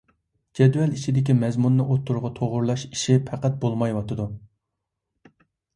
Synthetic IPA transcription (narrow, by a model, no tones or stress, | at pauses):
d͡ʒɛd̪wɛlit͡ʃʰid̪ɪkʲimɛzmunːɨʔot̪ʰːuɾʁɑt̪ʰoʁʊɾlˠɑʃi̥ʃipʰæqæt̪̚bolˠmɑjwɑt̪ʰɨd̪u